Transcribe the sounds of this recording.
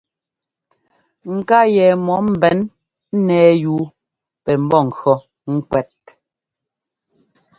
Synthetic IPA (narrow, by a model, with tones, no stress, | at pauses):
ŋ̩˨ka˦jɛ˨mɔ˨˦m̩˨bɛ˨˦n | n̩˦nɛː˨˦juː˨˦ | pɛ˨m̩˦bɔ˦˨ŋ̩˨kɔ˦ | ŋ̩˦kwɛ˦˨t̚